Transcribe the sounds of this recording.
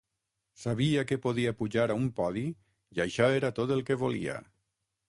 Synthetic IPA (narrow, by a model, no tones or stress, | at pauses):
saβiakepoðiapuʒaɾaumpɔði | jajʃɔeɾat̪ot̪elˠkeβolḭa̰